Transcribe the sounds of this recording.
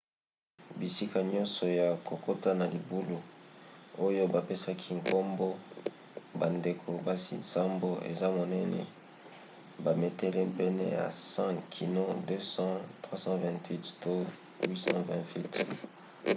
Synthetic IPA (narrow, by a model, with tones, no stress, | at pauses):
bi˨si˦ka˨ɲɔ̃˦nsɔ˨ja˨ko˨ko˦ta˦na˨li˨bu˦lu˨ | o˦jo˦ba˨pe˦sa˦kʰi˦ŋkʰo˦mbo˦ | ba˨nde˨kʰo˨ba˦sḭ˨sa˦mbo˦ḛ˨za˦mo˨nɛ˦nɛ̰˨ | ba˨me˨te˦le˦mpɛ˦nɛ˦ja̰˨sã˦kʰi˨no˦dø˦sɑ̃˦twa˦sɑ̃˦vɛ̃˨twi˦tto˦ | wi˦sɑ̰̃˦vɛ̃˨ntwi˦t